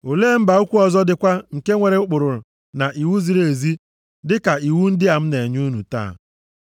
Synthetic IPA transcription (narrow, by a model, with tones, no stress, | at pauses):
o˨leː˦m̩˦ba˨u˦kʷu˦ɔ˨zɔ˦dɪ˨kʷa˦ŋ̩˨ke˦ŋʷe˨ɾe˨˦ʊ˦k͡pʊ˨ɾʊ˨ɾʊ˨ | na˨ʔi˨wu˦zi˨ɾe˨zi˦ | dɪ˦ka˨i˨wu˦n̩˦dɪ˦a˨m̩˦ne˨ɲu˦nu˨ta̰ː˦˨